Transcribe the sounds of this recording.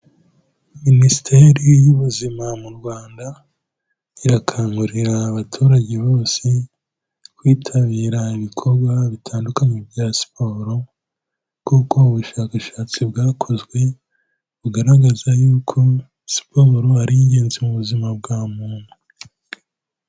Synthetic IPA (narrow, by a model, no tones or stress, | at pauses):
minisi̥tʰeɾijuβuzimamuɾɡwaːnda | iɾakʰaːŋɡuɾiɾaːβatʰuːɾaɟe̞βo̞ːse | kwiːtʰaβiːɾaiβikʰo̞bɡwaβitʰaːndukaɲebjasi̥po̞ːɾo̞ | kuːko̞uβuʃaːkaʃaːt͡sibɡaːkʰo̞zɡwe̞ | βuɡaɾaɡazajuːkʰo̞ | si̥pʰo̞ːɾoaɾiɲɟe̞ːnzemuβuzimab̚ɡaːmuːn̥hu